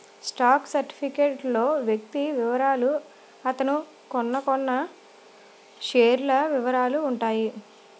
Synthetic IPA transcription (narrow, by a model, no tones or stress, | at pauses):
sʈaːksɐɾʈi̥pʰikeːʈlo̞ːʋjek̚t̪iʋiʋɐɾaːlu | ɐt̪ɐnu | kɔnːɐkɔnːɐ | ʂeːɾulɐʋiʋɐɾaːluːɳʈaːji